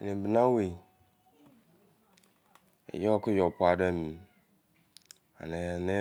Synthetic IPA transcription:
nẽ˨bnã˦we˨ | ḛ˨jɛ˦ɔ˦kʊ˦jɔ˨pʊ˦a˨dɛ˦mĩ˨ | a̰˨nẽ˨ne˦

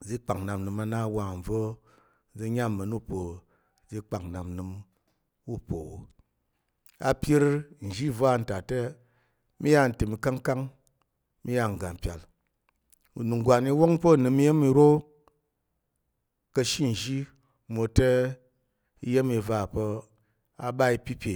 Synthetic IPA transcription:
d͡zi˦k͡pa˨ŋna˨mnɨ˨ma˧na˦wa˨m̩˨b͡vo˦ | d͡zi˧ɲa˦˨mə˨nu˦po˨ | d͡zi˦k͡pa˨ŋna˨mnɨ˧m | u˦po˨wo˨ | a̰˧pʲi˦ɾn̩˨ʒi˦va˦˨n̩˨ta˨te˦ | mi˦ja˦˨n̩˨tɨ˨mi˧ka˦ŋka˦ŋ | mi˦ja˧˨ŋ̩˨ɡa˨m̩˨pʲa̰˨l | ṵ˨nu˨ŋ˨ɡʷa˨ni˧˦wo˦ŋpo˦˨nɨ˧mi˦je˦mi˧ɾo˦ | kə˧ʃi˦n̩˨ʒi˦ | mo˧te˦ | i˧je˦mi˧va˧˨po˧ | a˨ba˦i˧pʲi˦pʲe˨

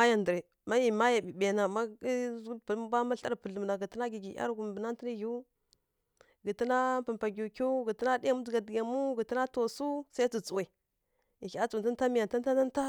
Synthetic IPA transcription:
a˦ja˨ndə˨ɾe˨ | ma˦ji˨ma˦ja˨bi˨ɓe˨na˨ma˦˨i˦pba˦ma˦ɬa˦ɾpə˨ɮu˨mna˨ɡə˨tə˦na˦ɡi˨ɡi˨ʔa̰˦ɾɡu˨m˨bə˨na˦nti˦ni˦ji˦u˦ | ɡə˨tə˦na˦pə˨mpa˨ɡʲu˨kʲu˦ɡə˨tə˦na˦di˦ja˦mu˦d͡zɡa˨dɡʲa˨mu˦ɡə˨ti˦na˦to˨su˦sa˦i˦t͡si˨t͡su˨we˨ | i˨ka˦t͡su˨ta˦n˦ta˦mi˨ja˨n˨ta˦ta˦na˦n˦ta˦

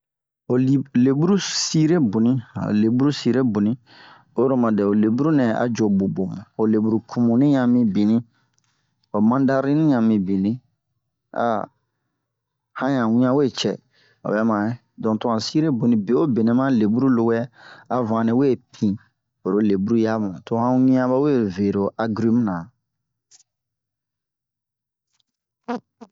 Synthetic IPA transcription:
o˨li˨˦le˨bu˦ɾu˦si˦ɾe˦bu˨nĩ˦˨o̰˨le˨bu˦ɾu˦si˦ɾe˦bu˨nĩ˦ | o˦ɾo˦mã˨dɛ˨o˨le˨bu˦ɾu˦nɛ̃˨a̰˨d͡ʒo˨bo˨bo˨mṵ̃˨o˨le˨bu˦ɾu˨kʰu˨mũ˨nĩ˦ɲã˨mĩ˨bi˨nĩ˦ | o˨mã˦n˦da˦ɾi˦nĩ˦ɲã˨mĩ˨bi˨nĩ˦ | a̰˨˦ | hã˦jã˨wĩ˦ã˦we˦˨t͡ʃɛ˨ | o̰˨bɛ˦mã˨˦ | dɔ̃˨tũ˦ã˨si˦ɾe˦bu˨nĩ˨be˨˦o˦be˨nẽ˨˦mã˦le˨bu˦ɾu˦lo˧˦wɛ˦a˦vã˨nĩ˦we˦˨pʰĩ˨ | o˨ɾo˦le˨bu˦ɾu˦ja˦mũ˨to˦hã˦wĩ˦ã˦ba˦we˦˨ve˨ɾo˨ʔa˦ɡɾi˦m˦nã˨

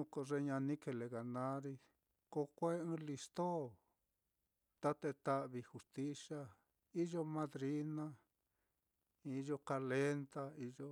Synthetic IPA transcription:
ũ˧ko˧ʐe˧ɲã˧nĩ˦ke˧˨le˨ɣa˨nã˦ɾi˧ | ko˧kʷe˦ɨ̃˦li˧st̪o˦˨ | t̪a˦t̪e˧t̪a˦ʔβi˧xu˧st̪i˦sa˦ | i˦ʒo˦mã˧ðɾi˦nã˦ | i˧ʒo˧ka˧le˦nt̪a˦i˧ʒo˧

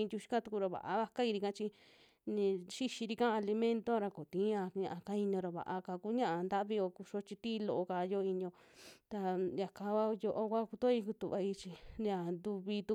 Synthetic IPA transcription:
ĩ˧d̪ʲu˧ʃi̥˧ka˦t̪u˧ku˧ɾo˧βa̰˨ʔa̰˧βa˧ka˦i˧ɾi˧kã˦t͡ʃi˧ | nĩ˧ʃi˦ʃi˧ɾi˧kã˦˧a˧li˧mẽ˦nt̪o˦˧ɾa˧ko˨t̪ĩ˨˦a˧ɲã̰˧ʔa˧ka˦i˧ɲõ˧ɾo˧βa̰˨ʔa˧ka˧ku˦ɲã˦ʔa˧nd̪a˦βi˧o˧ku˧ʃo˦t͡ʃi˧t̪i˦˧lo˧ʔo˧ka˧˨jo˦˧i˧ɲ˧õ˧ | t̪a˧ja˨ka˧a˦jo˧ʔo˧kʷa˦ku˧t̪o˦i˧ku˧t̪u˨βa˧i˧t͡ʃi˧a˧˨nd̪u˧βi˧t̪u˧

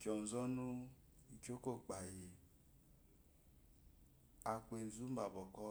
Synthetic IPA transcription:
kɔ˨m̩˨zɔ˦nu˦ | i˨ko˦ko˦˨k͡pa˨ji˨ | a˨kʷe˨n̩˨zu˦m̩˦ba˨bɔ˨kɔ˦

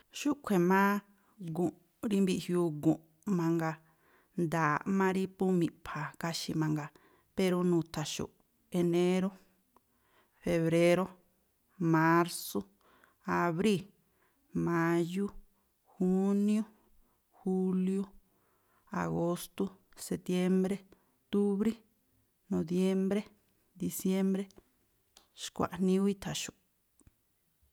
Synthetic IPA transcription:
ʃu˦ʔkʷʰe˨mãː˦ | ɡũ˨ʔ | ɾi˦mbi˧ʔhju˧ɡũ˨ʔ | mã˧ŋɡa˧ | nd̪aː˨mã˦ɾi˦pu˦mĩ˧˨pʰa˨ka˦ʃi˧mã˧ŋɡa˧ | pe˧ɾo˧nũː˨˧˨t̪a˨ʃṵ˨ʔ | e˧nẽ˦ɾo˦ | fe˧βɾe˦ɾo˦ | mã˧ɾso˦˧ | a˧βɾi˦˨ | mã˧ju˦ | xu˦nĩo˦ | xu˦ljo˦ | a̰˨ɣo˧st̪u˦se˧t̪je˦mbɾe˦ | t̪u˦βɾi˦ | nõ˨ðje˦mbɾe˦ | d̪i˨˧sje˦mbɾe˦ | ʃkʷa̰˨ʔn̥nĩ˦u˦i˦t̪ʰa˨ʃu˨

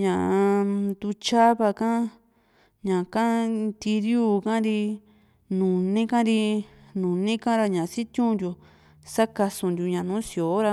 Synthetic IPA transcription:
ɲã˨ʔd̪u˧t͡ʃa˦βa˧kã˦ | ɲã˨kã˦t̪i˧ɾjuː˦˧˨kã˦ɾi˧ | nũ˨nĩ˦kã˦ɾi˧ | nũ˨nĩ˦kã˦ɾa˧ɲã˨˧si˦t̪jũ˦nd̪ju˧ | sa˦ka˧sũ˧nd̪ju˧ɲã˨nũ˨˦si˧˨o˨˦ɾa˧

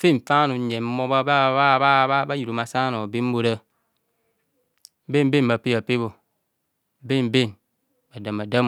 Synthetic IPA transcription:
fe˦˨ɱ̩˨fa˦nu˨˦ɲe˨m˦mo˦ba˦ba˦ba˦ba˦ba˦ba˦ji˨ɾu˨ma˨sa˦no˨be˦m˦bo˦ɾə˦ | be˦m˦be˦˨mba˨pe˦ja˨pe˦bo˨ | be˦˨m˨be˦˨n | ba˨da˨ma˨da˦m

